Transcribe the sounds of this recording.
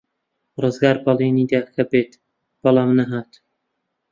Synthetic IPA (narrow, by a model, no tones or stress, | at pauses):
rɨzɡaːɾbɑlˠiniːd̪axɐbeːt̪ | b̥ɐlˠɑːmnɐɦaːt̪